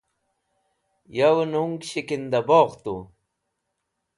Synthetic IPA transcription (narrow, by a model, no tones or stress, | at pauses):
jawnuŋɡɕikind̪ɐboːʁt̪u